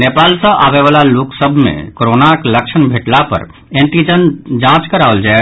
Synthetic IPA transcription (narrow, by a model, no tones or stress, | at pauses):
nepaːlsə̃ʔabeʋalaloksəbʱmḛ̃koɾonakləkt͡ʃʰənbʱeʈlapə̰ɾ | ẽnt̪id͡ʒənd͡ʒãt͡ʃkəɾaold͡ʒae